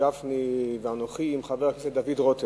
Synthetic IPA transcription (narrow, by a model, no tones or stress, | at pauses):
afniveanoχiːmχaveʁakesed̪avidʁot̪e